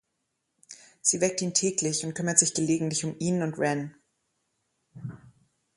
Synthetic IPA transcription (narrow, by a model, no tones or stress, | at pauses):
z̥iːvɛk̚tiːntʰɛːklɪçʊntkʰʏmɐtz̥ɪçɡ̥əleːɡŋ̩tlɪçʊmiːnʊntʁɛn